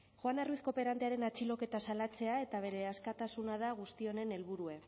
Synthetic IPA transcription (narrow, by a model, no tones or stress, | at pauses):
xwanaruisko̞pe̞ɾant̪eaɾe̞nat͡ʃilo̞ke̞t̪asalat͡se̞ae̞t̪aβ̞e̞ɾe̞askat̪asunað̞aɣ̞ust̪io̞ne̞ne̞lβuɾue̞